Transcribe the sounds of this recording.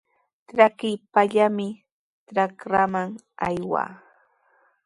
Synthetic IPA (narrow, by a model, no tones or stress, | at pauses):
tɾakɪjpaʎamɪ | tɾakɾamaŋ | ajwa̰ː